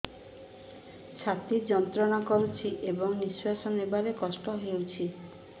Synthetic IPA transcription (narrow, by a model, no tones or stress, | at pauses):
t͡ʃʰat̪id͡ʒɔnt̪ɾɔnakoɾut͡ʃʰiʔebɔŋniswasɔnebaɾekɔsʈɔɦewt͡ʃʰi